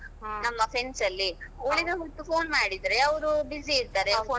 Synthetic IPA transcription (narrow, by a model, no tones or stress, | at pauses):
nɐmːɐpʰe̞nsɐlːioɭiɡ̪ɐʋɐt̪ːupo̞ːnmaːɽid̪ɾe̞ɐʋɾubiziːɾt̪aːɾepoː